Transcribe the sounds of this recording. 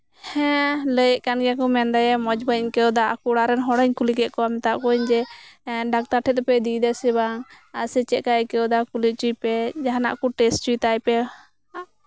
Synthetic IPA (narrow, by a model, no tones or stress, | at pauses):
hɛ̃ləjəʔkanɡakɔmɛnd̪ajɛmɔd͡ʒbəɲkɛɔd̪aakuɽaɾɛnɦɔɽəɲkulikɛʔkɔamɛt̪aʔkɔiɲd͡ʒɛɖak̚t̪aʈʰɛt̪̚ɔpɛd̪id̪ɛsibaŋ | asɛt͡ʃɛʔ̪̚kaɛkɛɔd̪akuliʔ̚t͡ʃujpɛd͡ʒaɦana̰ʔkɔʈɛs̚t͡ʃujt̪ajpɛ